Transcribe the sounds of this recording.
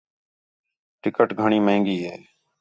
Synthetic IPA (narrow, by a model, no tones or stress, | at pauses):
ʈɪkəʈɡʱəɳ̃iːmə̃ɪ̃ŋɡiːɦeː